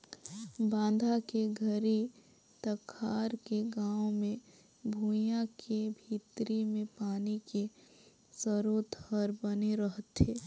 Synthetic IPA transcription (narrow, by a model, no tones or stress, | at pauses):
bãːn̆d̪ʱakeɡʱəɾi | t̪əkʰaːɾkeɡaːwmẽ | bʱuːjãkebʱit̪ɾimẽpaːnike | səɾoːt̪həɾbəneɾəɦət̪ɦeː